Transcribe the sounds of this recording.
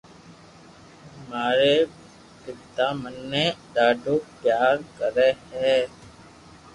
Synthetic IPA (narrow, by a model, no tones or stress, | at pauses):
maːɾeː | pɪbt̪aːmənːẽːɗ̪aːɖoːpjaːɾkəɾeːɦɛː